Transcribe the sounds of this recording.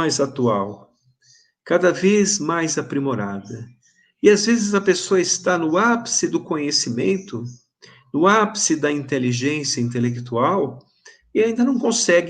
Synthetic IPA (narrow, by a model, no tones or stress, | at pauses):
ajzat̪uaw | kad̪ɐvezmajzapɾimoɾad̪ɐ | ɪazvezɪzɐpesoɐɪst̪anʊapsɪd̪ʊkõɲesimḛ̃nt̪ʊ | nʊapsɪd̪ɐĩnt̪eliʒẽsijɐĩnt̪elekt̪uaw | ɪaĩnd̪ɐnɐ̃w̃kõsɛɡ